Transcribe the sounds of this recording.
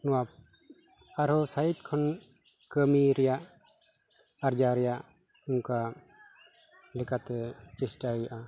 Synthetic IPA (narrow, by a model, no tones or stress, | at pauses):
nɔwap̚ | aɾɦɔsaiʈ̚kʰɔn | kəmiɾɛjaʔ | aɾd͡ʒaɾɛjaʔ | uŋka | lɛkʰat̪ɛt͡ʃɛsʈajaʔa